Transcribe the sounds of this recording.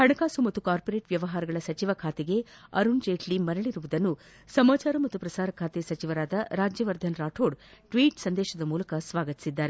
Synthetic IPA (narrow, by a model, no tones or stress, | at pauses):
hɐɳɐkaːsumɐt̪ːukaːɾpoɾeːʈʋjɐʋɐɦaːɾɐɡɐɭɐsɐt͡ʃiʋɐkʰaːt̪eɡe̞ɐ̰ɾund͡ʒeːʈʰlimɐɾɐɭiɾuʋud̪ɐnːu | sɐmaːt͡ʃaːɾɐmɐt̪ːupɾɐsaːɾɐkʰaːt̪esɐt͡ʃiʋɐɾaːd̪ɐɾaːd͡ʒjɐʋɐɾd̪ʱɐnɾaːʈʰoːɽʈʋiːʈsɐnd̪ɛːʃɐd̪ɐmuːlɐkɐsʋaːɡɐt̪i̥sid̪ːaːɾe